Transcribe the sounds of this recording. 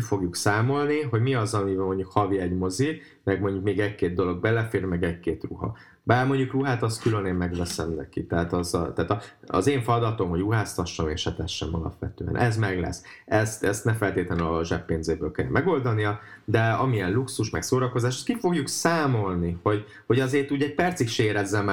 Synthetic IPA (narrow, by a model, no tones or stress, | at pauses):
ifo̞ɡjuksaːmo̞lniɦo̞ɟmiɒzɒmivmo̞ɲɟukhɒviɛɟmo̞zi | mɛɡmo̞ɲɟukmeːɡɛckeːd̪̚d̪o̞lo̞ɡ̚bɛlɛfeːrmɛɡɛɟkeːt̪ruɦɒ̰ | baːrmo̞ɲɟukruɦaːt̪ɒskyløneːmmɛɡʋɛsɛmnɛ̰kit̪ɛɦaːt̪ɒzɒt̪aːt̪ɒɒ̰zeːɱfɒd̪ɒt̪o̞mɦo̞ɟruɦaːst̪ɒʃːɒmḛːʃhɛt̪ɛʃːɛ̰mɒ̰lɒ̰pʋɛt̪ø̰ːɛ̰nʔɛzmɛɡlɛ̰s | ɛst̪ɛst̪nɛmfɛlt̪eːt̪lɛnɒʒɛpːeːnzeːbøːlkɛl̰mɛɡo̞ld̪ɒnijɒ | d̪ɛɒmijɛnluksuʃmɛksoːɾɒko̞zaːʃɛst̪kifo̞ɡjuksaːmo̞lniho̞ɟ | ho̞ɟɒzeːrt̪uːɟɛɟ̚pɛrt̪sikʃeːɾɛzːɛm